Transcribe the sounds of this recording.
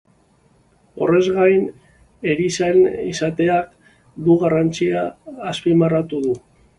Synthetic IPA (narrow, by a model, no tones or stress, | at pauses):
o̞̰re̞zɣajn | e̞ɾisenisat̪e̞ak | d̪uɣarant͡siaːspimarat̪uðu